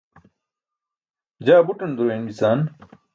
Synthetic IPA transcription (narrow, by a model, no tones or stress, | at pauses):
d͡ʑaːbuʈɐnd̪uɾeːnd͡ʑisaːn